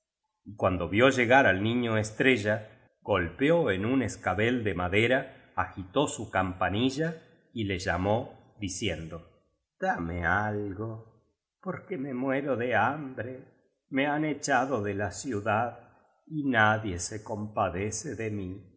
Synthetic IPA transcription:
ikwand̪o̞βjo̞ʒe̞ɣaɾalnĩɲoest̪ɾeʒa | ɣ̥o̞lpeoenuneskaβe̞ld̪emaðeɾaː | xit̪o̞sukampaniʒa | ile̞ʒamo̞ | ðisje̞nd̪o̞ | d̪̥amealɣo | poɾkeme̞mwe̞ɾoðe̞ambɾe | meanet͡ʃaðoðelasjuðað | inaðje̞seko̞mpaðe̞seðemi

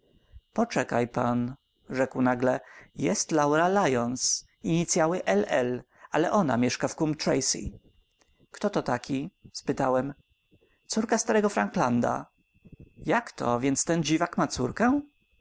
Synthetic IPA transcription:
pɔt͡ʂɛkajpan | ʐɛkwnaɡlɛjɛst̪lawɾalajɔns | iɲit̪sʲjawɘʔɛlɛl | ʔalɛʔɔna̰mʲjɛʂkafkumt̪ɾɛjsḭ | kt̪ɔt̪ɔt̪akʲʰispɘt̪awɛm | t̪suɾkast̪aɾɛɡɔfɾaŋkland̪a̰ | jakt̪ʰɔ̰vʲjɛnt̪st̪ɛnd͡ʑivakmat̪suɾkɛ̃

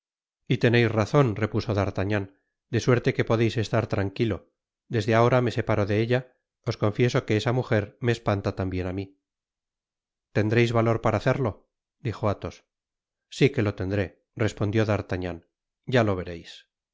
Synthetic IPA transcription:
it̪e̞ne̞jsraθo̞nre̞puso̞ðaɾt̪aɲan | d̪e̞swe̞ɾt̪e̞ke̞po̞ðe̞jse̞st̪aɾt̪ɾaŋkilo̞ | d̪e̞zðeao̞ɾame̞se̞paɾo̞ðe̞eʎa | o̞sko̞ɱfje̞so̞ke̞esamuxe̞ɾme̞ːspant̪at̪ambje̞nami | t̪e̞nd̪ɾe̞jzβalo̞ɾpaɾaːθe̞ɾlo̞ | d̪ixo̞at̪o̞sː | ike̞lo̞t̪e̞nd̪ɾe̞ | re̞spo̞nd̪jo̞ðaɾt̪aɲan | ɟ͡ʝalo̞βe̞ɾe̞js

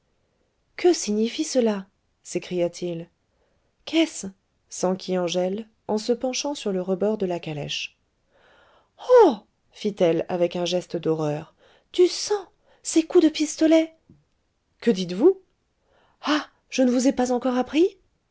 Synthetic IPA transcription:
kəsiɲifisəla | sekχijat̪ʰil | kʰɛs | sɑ̃kʲʰiɑ̃ʒɛl | ɑ̃səpɑ̃ʃɑ̃syʁləʁəbɔʁd̪əlakalɛ̰ʃ | o | fit̪ɛla̰vɛkɛ̃ʒɛst̪d̪ɔʁœːʁ | t̪ysɑ̃ | sekud̪əpist̪ɔlɛ | kəd̪it̪vu | a | ʒ̥ənəvuzɛpazɑ̃kɔʁapχi

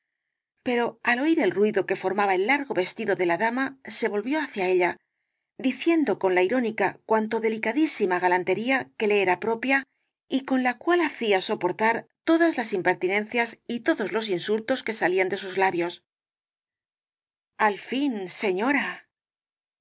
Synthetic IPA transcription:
pe̞ɾo̞alo̞iɾe̞lrwiðo̞ke̞fo̞ɾmaβaelːaɾɣo̞βe̞st̪iðo̞ðe̞laðamase̞βo̞lβjo̞aθjae̞ʎa | d̪iθje̞nd̪o̞ko̞nlaiɾo̞nikakwant̪o̞ðe̞likaðisimaɣalant̪e̞ɾiake̞le̞eɾapɾo̞pja | iko̞nlakwalaθiaso̞po̞ɾt̪aɾt̪o̞ðazlasimpe̞ɾt̪inẽ̞n̟θjasit̪o̞ðo̞zlo̞s̬insult̪o̞ske̞saliand̪e̞suzlaβjo̞s | alfinse̞ɲo̞ɾa

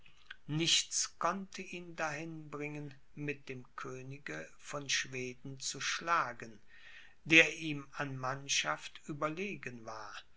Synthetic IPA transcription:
nɪçt͡skʰɔntʰəʔiːndahɪnbʁɪŋən | mɪt̚d̥eːmkʰøːnɪɡə | fɔnʃv̥eːdn̩t͡suʃlaːɡən | d̥eːɐʔiːmanmanʃaftʔyːbɐleːɡənvaːɐ

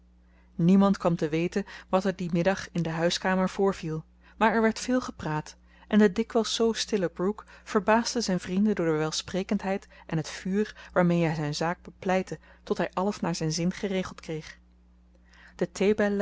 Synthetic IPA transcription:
nimɑntkʋɑmtəʋejtənʋɑtɛɹdimɪdɑχɪndəɦœɥskaːməɹv̥ʊːɹv̥ilˠ | maːɹɛɹʋɛɹtfɪːlˠχəpraːt | ʔɛndədɪkʋɛlˠsːowstɪləbrukfəɹbaːzdəzɛjnvrindəndʊːɹdəʋɛlˠsprejkəntɦɛjtʔɛnɦətfyːɹʋaːɹmejɦɛjzɛjnzaːɡ̚bəplɛjtətɔtɦɛjʔɑləsnaːɹzɛjnzɪnχərejχəlˠtkrejχ | d̥ətʰejbɛl

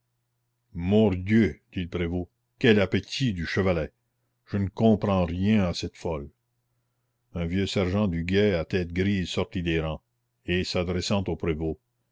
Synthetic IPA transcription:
mɔd̪jød̪̥iləpɾevo | kɛlapet̪ʰid̪yʃəvalɛ | ʒ̥ənəkɔ̃pɾɑ̃ʁjɛ̃asɛt̪fɔl | œ̃vjøsɛʁʒɑ̃d̪yɡɛat̪ɛːt̪̚ɡɾisɔʁt̪id̪eɾɑ̃ | esad̪ɾɛsɑ̃t̪oːpɾevo

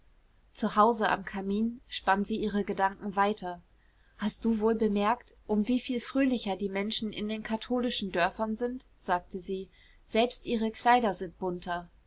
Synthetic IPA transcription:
t͡suhaʊzəʔa̰mkʰamiːnʃpanziːʔiːʁəɡədaŋkŋ̩vaɪtʰɐ | hast̚d̥uːvoːlbəmɛɐkt | ʔʊmviːfiːlfʁ̥øːlɪçɐdiːmɛnʃn̩ʔɪ̰ndeːnkʰatʰoːlɪʃn̩dœɐfɐnzɪnt | z̥aːk̚təziː | z̥ɛlpstʔiːʁəkʰl̥aɪdɐzɪnt̚b̥ʊntʰɐ

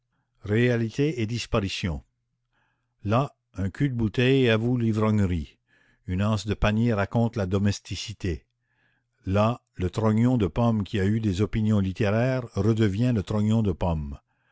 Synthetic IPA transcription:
ʁealit̪ʰeed̪ispaʁisjɔ̃ | la | ɛ̃kʰʲyd̪̚but̪ɛjavulivʁɔ̃ŋʁi | ynɑ̃ːsd̪əpanjeʁakɔ̃t̪lad̪ɔmɛst̪isit̪e | la | lət̪ʁɔɲɔ̃d̪əpɔmkʲiayd̪ezɔpinjɔ̃lit̪eʁɛːʁʁəd̪əvjɛ̃lət̪ʁɔ̃ɲɔ̃d̪əpɔm

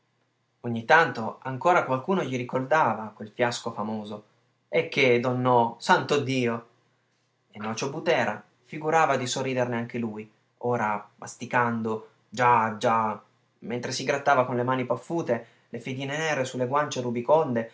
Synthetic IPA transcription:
oɲːit̪ant̪oaŋkoːɾakwalkuːnoʎiɾikord̪aːvakwelfjaskofamoːzo | ɛk̟ːed̪ɔnːosant̪od̪iːo | enːɔːt͡ʃobut̪ɛːɾa̰ | fiɡuɾaːvad̪isorːiːd̪erneaŋk̟eluj | oːɾamast̪ikand̪o | d͡ʒad͡ʒa | ment̪ɾesiɡɾat̪ːaːvakonlemaːnipafːuːt̪e | lefed̪iːnenɛːɾesulːeɡwant͡ʃeɾubikond̪e

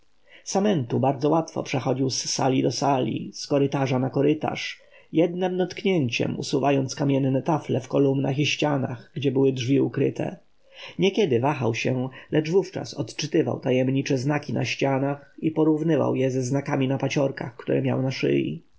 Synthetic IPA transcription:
samɛnt̪ubaɾd̪zɔwat̪fɔ̰pʂɛxɔd͡ʑiwsːa̰lʲid̪ɔsalʲḭskɔɾɘt̪aʐanakɔɾɪt̪a̰ʂ | jɛd̪̚nɛmd̪ɔt̪kɲeɲt͡ɕɛ̰mṵsuvajɔnt̪skamʲjɛnːɛt̪aflɛfkɔlumnaxiɕt͡ɕanaɣɡd͡ʑɛbɘwɘdʐvʲiukɾɘt̪ʰɛ̰ | ɲɛkʲjɛd̪ɘvaxawɕɛlɛʐvuft͡ʂa̰sɔt̪t͡ʂɘt̪ɘva̰wt̪ajɛmɲit͡ʂɛznakʲinʔa̰ɕt͡ɕanaxipɔɾuvnɘva̰wjɛzɛznakamʲinapat͡ɕɔɾkaxkt̪uɾɛmʲja̰wnaʂɘ̰jḭ

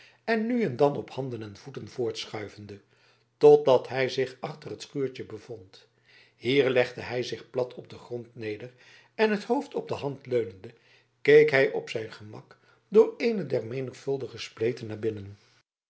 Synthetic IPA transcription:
ɛnːyɛndɑnɔphɑndənɛnv̥utənv̥ʊːɹtsχœɥvəndə | tɔt̚dɑtɦɛjzɪχɑχtərɦətχyːɹt͡ʃəbəvɔnt | hiːɹlɛχdəɦɛjzɪχplɑtʰɔb̚dəχrɔntnejdər | ɛnɦəthowftɔb̚dəɦɑntløɥnəndə | kejkɦɛjʔɔpsɛjnχəmɑ̰k | dʊːɹejnədɛrmejnəχfɵlˠdəχəsplejtənːaːɹbɪnən

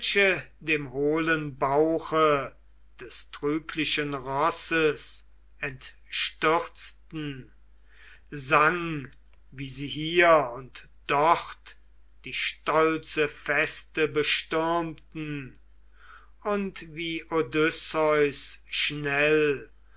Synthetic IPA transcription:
ʃədeːmhoːlənbaʊxə | d̥ɛstʁ̥yːkʰlɪʃənʁɔsəs | ɛnt | ʃtʏʁt͡stn̩ | zaŋ | viːziːɦiːɐʊnt | d̥ɔχt | d̥iːʃtɔlst͡səfɛstəbəʃtʏʁmtn̩ | ʊntviːʔodʏsɔʏsʃnɛl

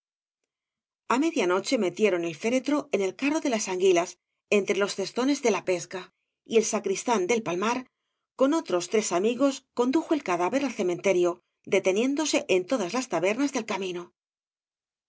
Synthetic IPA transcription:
ame̞ðjano̞t͡ʃe̞me̞t̪jeɾo̞ne̞lfe̞ɾe̞t̪ɾo̞ene̞lkaro̞ðe̞lasaŋɡilas | e̞nt̪ɾe̞lo̞sθe̞st̪o̞ne̞zðe̞lape̞ska | ie̞lsakɾist̪and̪e̞lpalmaɾ | ko̞no̞t̪ɾo̞st̪ɾe̞samiɣo̞sko̞nd̪uxo̞e̞lkaðaβe̞ɾalθe̞mẽ̞nt̪e̞ɾjo̞ | d̪e̞t̪e̞nje̞nd̪o̞se̞ʔent̪o̞ðazlast̪aβe̞ɾnazðe̞lkamĩno

